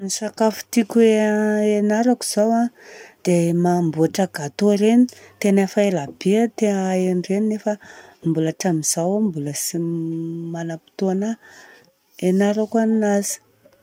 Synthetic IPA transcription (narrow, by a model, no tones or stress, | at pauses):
nisakafu̥t̪ikʲeenaɾaku̥z̥awad̪̥emambuaʈ͡ʂaɡat̪oɾenit̪enafaelab̥eat̪eeɳɖ͡ʐeninefəmbulaʈ͡ʂamiz̥awambuləsimanapi̥t̪oana | enaɾakaninazi̥